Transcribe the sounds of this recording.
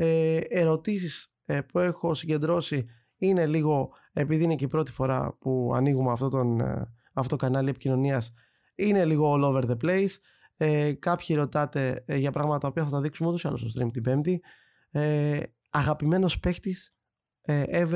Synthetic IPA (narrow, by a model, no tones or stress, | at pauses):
eeɾo̞t̪isis | pue̞xo̞siɟe̞nd̪ɾo̞si | ine̞liɣo̞ | e̞piðiineceipɾo̞t̪i̥fo̞ɾɐ̰puɐ̰niɣumeɐft̪o̞t̪on | ɐftoot̪okɐnɐlie̞picino̞niɐs | ine̞liɣo̞ːlo̞ve̞ɾðeple̞js | ekɐpçieɾo̞t̪ɐt̪e̞ʝɐpɾɐɣmɐt̪ɐt̪ɐo̞piɐθɐt̪ɐðiksumeoosɐ̰lost̪st̪ɾimt̪ibe̞md̪i | ɐɣɐpime̞no̞spe̞xt̪is | eev